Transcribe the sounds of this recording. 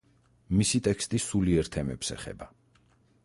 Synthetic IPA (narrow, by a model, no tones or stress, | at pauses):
misit̪ʼɛkʰst̪ʼisuliɛɾt̪ʰɛmɛpsɛ̰χɛ̰ba